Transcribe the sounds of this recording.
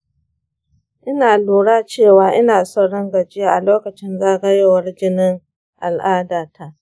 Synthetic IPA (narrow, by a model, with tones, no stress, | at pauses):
ʔɪ˦naː˨luː˨ɽaː˦t͡ʃeː˦˨waː˦ʔɪ˦naː˨sɔ˦ɽɐ˦ŋɡɐ˨d͡ʒɪ˦a˦ʔa̰˨loː˦kɐ˨t͡ʃɪ˦nzaː˦ɡɐ˦je˦wɐ˦rd͡ʒɪ˦nɪ˦ŋ | ʔa˨lʔaː˦daː˨tʰa˦˨ʔ